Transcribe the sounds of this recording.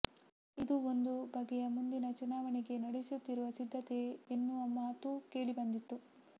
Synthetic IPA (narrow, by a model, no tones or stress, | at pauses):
id̪uo̞nd̪ubʱɐɡːɛjɐmund̪inɐt͡ʃunaːʋɐnɛɡe̞nɐɽesut̪ːiɾuʋɐsid̪ʱːɐt̪e̞ːnːuʋɐmaːt̪uke̞ːɭibɐnd̪it̪ːu